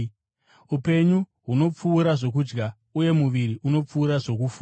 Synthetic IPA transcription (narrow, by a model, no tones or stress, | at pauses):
upe̞ɲu | ɦuno̞p͡fuːɾaʐo̞k̬ud͡ʒɡa | uje̞muʋiɾiʔuno̞p͡fuːɾaʐo̞kufu